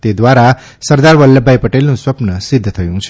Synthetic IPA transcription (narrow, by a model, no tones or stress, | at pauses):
t̪ed̪ʋaɾa | səɾd̪aɾʋəlːəbʱajpəʈelnũsʋəpnəsid̪ʱːət̪ʰəjũt͡ʃʰe